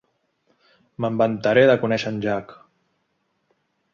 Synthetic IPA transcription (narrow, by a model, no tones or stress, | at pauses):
məmbənt̪aɾeðəkunɛʃənʲʒak